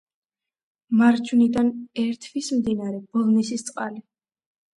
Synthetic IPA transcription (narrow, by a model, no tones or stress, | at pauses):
maɾd͡ʒʰunid̪anɛɾt̪ʰvismd̪inaɾɛbɔlˠnisist̪sʼqʼali